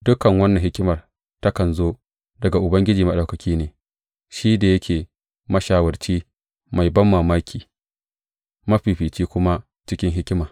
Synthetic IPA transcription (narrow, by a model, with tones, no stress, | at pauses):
dʊ˦kɐ˨ŋwɐ˦nːɐ˨ŋɦɪ˦kʲɪ˦mɐ˨r | tɐ˦kɐ˨nzoː˦ | dɐ˨ɡa˨ʔʊ˨bɐ˦ŋɡʲɪ˦d͡ʒiː˨mɐ˨ɗa˨wkɐ˨kʲiː˦neː˨ | ʃiː˦da˨jɐ˦kʲʰeː˨ | mɐ˦ʃaː˨wɐ˨rt͡ʃiː˦ | ma˨jbɐ˦mːaː˨maː˦kʲʰiː˨ | mɐ˦ɸiː˨ɸiː˨t͡ʃiː˦kʷʊ˦ma˦ | t͡ʃɪ˦kʲɪ˦ŋɦɪ˦kʲɪ˦maː˨